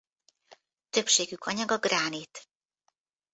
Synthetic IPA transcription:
t̪ø̞pʃeːɡykʰɒɲɒɡɒɡraːnit̪

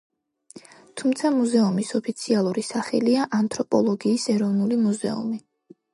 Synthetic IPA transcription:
t̪ʰumt̪sʰamuzɛumisɔpʰit̪sʰialˠuɾisaχɛ̰liaʔant̪ʰɾɔpʼɔlˠɔɡiːsɛɾɔvnulimuzɛ̰ṵmi

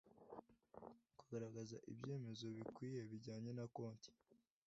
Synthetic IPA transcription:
kaɡaɾaɡazaʔḭbɟe̞ːme̞zo̞βikwiːje̞βiɟaːɲe̞nakoːnti̥

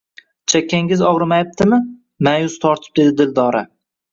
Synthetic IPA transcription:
t͡ʃʰakʲːaŋɡʲɪzɒʁɾɪmajap̚t̪ʰɪmɪ | majʊz̥t̪ʰɒɾt̪ʰɪ̥p̚d̪e̞d̪ɪd̪ɪld̪ɒːɾa

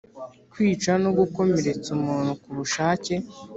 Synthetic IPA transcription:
kwiːt͡ʃano̞ɡuko̞me̞ɾe̞t͡sumuːnhukuβuʃaːce̞

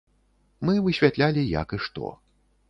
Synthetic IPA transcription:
mɨvɨɕʲvʲat̪lʲalʲija̰kɨʂt̪ɔ̰

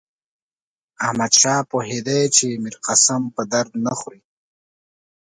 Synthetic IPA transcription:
ahmad̪ʃɑːpoɦed̪ajt͡ʃemiɾqasampəd̪aɾd̪naxɾi

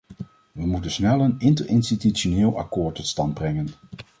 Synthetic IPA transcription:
ʋəmutənsnɛlˠənɪntərɪnstitytʃonɪːlˠɑ̰kʊːɹtːɔtstɑnd̚brɛŋən

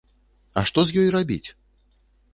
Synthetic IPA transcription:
ɐ̰ʂt̪ɔzʲjɔjrabʲḭt͡sʲ

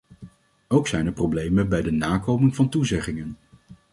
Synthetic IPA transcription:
owksɛjnəɹprowblejmənbɛjdənaːkowmɪŋvɑntuzɛχɪŋən

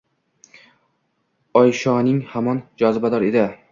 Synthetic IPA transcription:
ɒjʃɒnɪŋhamɒnd͡ʒɒzɪbad̪ɒɾed̪ɪ

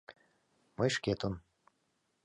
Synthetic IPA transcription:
məjʃket̪on

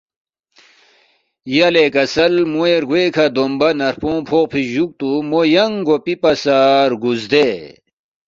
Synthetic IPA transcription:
jɐlekɐsɐlmueɾɡwekʰad̪ombɐnɐɾpõːpʰoːq̚pʰiʑuk̚t̪umojɐŋɡopipɐsaːɾɡuzd̪e

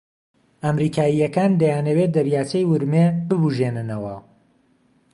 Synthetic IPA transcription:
amɾiːkʰaːijɐkand̪ɐjaːnɐwet̪̚d̪ɐɾjaːt͡ʃɐjwʊɾmebɨbuʒenɨnɐwɐ̰

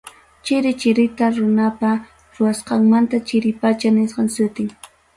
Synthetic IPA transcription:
t͡ʃɪɾɪt͡ʃɪɾɪt̪aɾʊnapa | ɾʊwasqɑŋmant̪at͡ʃɪɾɪpat͡ʃanɪsqɑŋsʊt̪ɪŋ

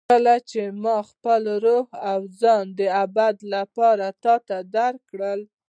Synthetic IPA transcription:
əlat͡ʃemɑxpəlɾohawzɑnd̪əabad̪lapɑɾat̪ɑt̪ad̪aɾkɽəl

